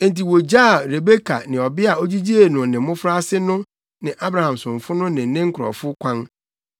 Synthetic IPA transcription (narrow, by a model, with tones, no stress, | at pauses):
ẽ˦n˨ti˨wo˨d͡ʑaː˦˨ɾe˨be˦kʰa̰˨nɪ̃˨ɔ˨bɪ˦a˨ɔ˦d͡ʑi˦d͡ʑi˦e˨nʊ̃˨nɪ̃˨˦mʊ̃˦fɾa˦sɪ˦nʊ̃˦ | nɪ̃˨ʔa˦bɾa˨hã˨msʊ̃˨ɱ˨fʊ˦nʊ̃˦nɪ̃˨˦nɪ̃˦ŋ̩˦kʰʊ˨ɾɔ̰˨fʊ˦kʷʰã˦n